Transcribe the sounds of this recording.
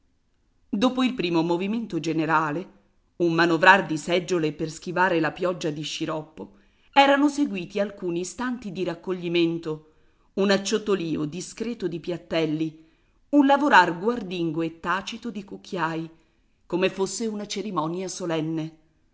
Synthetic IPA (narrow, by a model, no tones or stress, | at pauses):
d̪oːpoilpɾiːmomoviment̪od͡ʒeneɾaːle | ummanovɾard̪isɛd͡ʒːolepersk̟ivaːɾelapjɔd͡ʒːad̪iʃiɾɔpːo | ɛːɾanoseɡwiːt̪ialkuːniːst̪ant̪id̪iɾakːoʎːiment̪o | unat͡ʃːot̪oliːod̪iskɾɛːt̪od̪ipjat̪ːɛlːi | unlavoɾarɡward̪iŋɡoet̪ːaːt͡ʃit̪od̪ikuk̟ʰːjaːj | komefːosːeunat͡ʃeɾimɔnjasolɛnːe